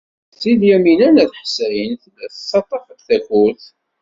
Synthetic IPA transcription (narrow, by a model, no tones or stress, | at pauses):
siljæminænæθħsæjənθlæθəsːɑt̪ˤːɑfət̪θæçuθ